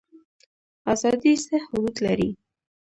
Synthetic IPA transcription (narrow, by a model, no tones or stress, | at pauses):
azɑd̪isehʊd̪ud̪laɾi